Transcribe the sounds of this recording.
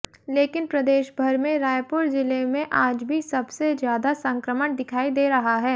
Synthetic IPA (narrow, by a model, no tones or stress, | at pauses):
leːkɪnpɾɐd̪eːʃbʱɐɾmẽɾaːjpʊɾzɪlemẽʔaːd͡ʒbʱisɐbsezjaːd̪asɐ̃ŋkɾəməɳd̪ɪkʰaːid̪eːɾɐɦaɦɛː